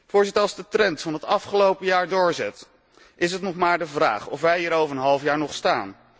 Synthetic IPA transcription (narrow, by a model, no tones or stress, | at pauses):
vʊːɹzɪtəɹɑlˠzdətrɛntfɑnɦətɑfχəlowpəjaːɹdʊːɹzɛt | ʔɪs̬ɦətnɔχmaːɹdəvra̰ːχɔfʋɛjɦiːɾowvəɹənɦɑlˠəfjaːɹnɔχstaːn